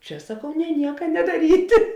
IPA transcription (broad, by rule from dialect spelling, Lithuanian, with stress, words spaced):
ˈt͡ʃʲɛ sɐˈkɐʊ nʲɛ ˈnʲiɛkɐ nʲɛdɐˈrʲiːtʲɪ